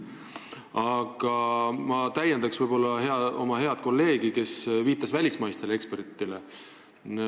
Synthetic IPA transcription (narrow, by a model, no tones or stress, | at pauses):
ɑɡ̥ɑmɑt̪æjːend̪ɑksv̥ɤjb̥o̞lːɑɦe̞ɑo̞̰mɑɦe̞ɑd̪̥̚ko̞lːe̞ːɡ̥ike̞sviːt̪ːˑɑsvælʲismɑjst̪e̞le̞kspe̞rt̪ːˑile